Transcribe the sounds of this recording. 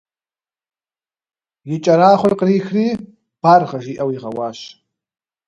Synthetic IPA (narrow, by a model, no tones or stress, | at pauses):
jɪt͡ʃʼɐɾaːχʷʊrqəriːxriː | b̥arʁɐʒiːʔɐwiʁɐ̰waːɕ